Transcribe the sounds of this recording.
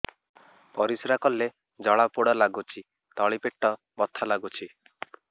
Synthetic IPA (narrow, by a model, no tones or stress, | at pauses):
pɔɾisɾakɔlːe | d͡ʒɔɭapuɽɔlaɡut͡ʃʰi | t̪ɔɭipeʈːɔ | bɔt̪ʰalaɡut͡ʃʰi